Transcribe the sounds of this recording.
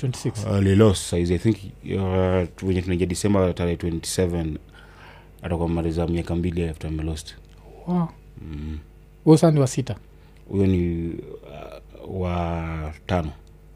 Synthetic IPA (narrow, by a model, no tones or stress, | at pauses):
twɛnti̥siksalilɔstsaizajθĩŋk | wɛɲɛtunad͡ʒadisɛmbataɾɛhɛtwɛnti̥sɛvɛn | atakwamaɾizamiakambiliaɛftamɛlɔst | wa | hujɔsasaniwasita | hṵjɔni | watanɔ